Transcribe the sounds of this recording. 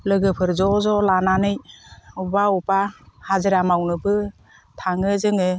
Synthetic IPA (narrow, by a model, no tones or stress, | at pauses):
lɯɡɯpʰɯɾzɔzɔlananɯjubaubahazɯɾamawnɯbɯ | tʰaŋɯzɯŋɯ